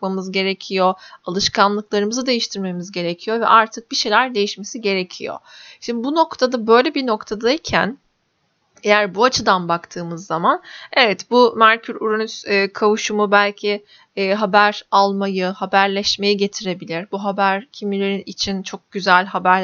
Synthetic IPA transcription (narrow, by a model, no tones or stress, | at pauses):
kmamɯzɟe̞ɾe̞cʰijo̞alˠɯʃkʰanlˠɯklˠaɾɯmɯzɯd̪e̞jiʃt̪ʰiɾme̞mizɟe̞ɾe̞cʰijo̞vɛ̰ʔaɾt̪ʰɯk̚b̥iʃe̞jlʲæɾd̪e̞jiʃme̞siɟe̞ɾe̞cʰijo̞̰ʃimd̪ibuno̞kt̪ʰad̪abø̞jlʲebino̞kt̪ʰad̪aicʰæ̰n | ejæɾbuat͡ʃʰɯd̪anbakt̪ʰɯːmɯzːamane̞vɛt̪bumæɾcʰyɾuɾanyzɛːkʰavuʃumubælʲcʰiː | ɦabæɾalˠmajɯhabæɾlʲɛʃme̞jiɟe̞t̪ʰiɾe̞bilʲiɾbuɦabæɾcʰimilʲeɾinit͡ʃʰint͡ʃʰo̞k̚ɟ̥yzælʲɦabæɾ